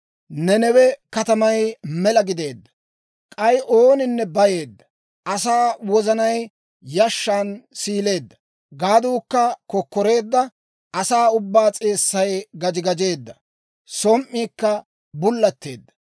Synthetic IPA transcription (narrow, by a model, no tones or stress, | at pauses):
nɛnɛwɛkɐt̪ɐmɐjmɛlɐɡɪd̪e̞ːd̪ːɐ̥ | kʼɐjʔo̞ːnɪnːɛbɐje̞ːd̪ːɐ̥ | ʔɐsaːwɔzɐnɐj | jɐʃːaːnsiːle̞ːd̪ːɐ̥ | ɡaːd̪uːkːɐkɔkːɔɾe̞ːd̪ːɐ | ɐsaːʊbːaːt͡sʼe̞ːsːɐjɡɐd͡ʒɪɡɐd͡ʒe̞ːd̪ːɐ | sɔmʔːiːkːɐ | bʊlːɐt̪ːe̞̰ːd̪ːɐ̥